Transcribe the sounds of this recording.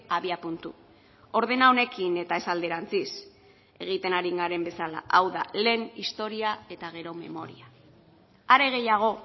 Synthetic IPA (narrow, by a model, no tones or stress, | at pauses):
aβiapunt̪u | o̞ɾð̞e̞nao̞ne̞kine̞t̪ae̞sald̪e̞ɾant͡sis | e̞ɣ̞it̪e̞naɾiŋɡaɾe̞mbe̞sala̰ʔawða̰le̞ːnist̪o̞ɾiae̞t̪aɣ̞e̞ɾo̞me̞̰mo̞̰ɾia | aɾe̞ɣ̞e̞jaɣ̞o̞